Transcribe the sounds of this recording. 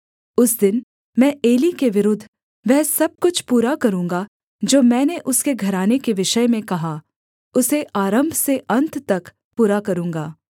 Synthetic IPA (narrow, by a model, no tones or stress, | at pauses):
ʊsd̪ɪn | mɛ̃ːeːlikeʋɪɾʊd̪ʱː | ʋɛːsɐb̚kʊt͡ʃʰpuːɾakɐɾũːŋɡa | d͡ʒoːmɛ̃ːneʔʊskeɡʱɐɾaːnekeʋɪʃəjmẽkɐɦa | ʊseʔaːɾə̃mbʱseʔɐ̃nt̪t̪ɐk | puːɾakɐɾũːŋɡaː